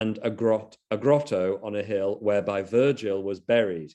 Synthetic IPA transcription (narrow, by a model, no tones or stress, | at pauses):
ə̃nəɡɹtəɡɹɒtʰoʊə̃nəɦɪlˠwɛːbaɪvɜːd͡ʒɪlˠwɒzbɛɹid̥